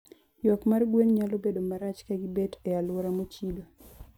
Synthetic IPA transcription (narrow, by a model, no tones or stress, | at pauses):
jɔkmarɡwenɲalobedomaɾat͡ʃkaɡibetɛalwoɾamot͡ʃilo